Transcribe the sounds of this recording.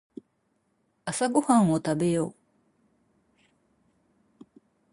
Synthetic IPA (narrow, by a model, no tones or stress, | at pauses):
asaɡohãɰ̃ot̪abe̞joː